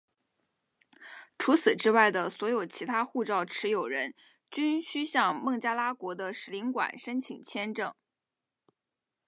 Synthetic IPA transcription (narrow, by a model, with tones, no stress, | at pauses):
ʈ͡ʂʰu˧˥t͡sʰɹ̩˨˩ʈ͡ʂɻ̩˥wa˥˩ɪd̪ə˩swɔ˧˥jo˨˩ʊt͡ɕʰi˧˥t̪ʰa˥xu˥˧ʈ͡ʂɑ˥˩ʊʈ͡ʂʰɻ̩˧˥jo˨˩ʊɻə˧˥n | t͡ɕy˥nɕy˥ɕjɑ˥˧ŋmɤ˥˩ŋt͡ɕja˥la˥kwɔ˧˥d̪ə˧ʂɻ̩˧˥li˧˥ŋkwa̰˨˩nʂə˥nt͡ɕʰḭ˨˩ŋt͡ɕʰjɛ˥nʈ͡ʂɤ˥˩ŋ